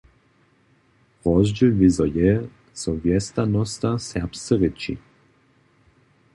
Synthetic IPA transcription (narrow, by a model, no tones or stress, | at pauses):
ʁɔzd͡ʒɛlvizɔjɛ | sɔvjɛst̪anɔst̪asɛʁpst͡s̪əʁit͡ʃḭ